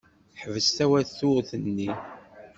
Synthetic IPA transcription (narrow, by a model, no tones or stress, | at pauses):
ħvəst̪æwæθθʊɾθənːi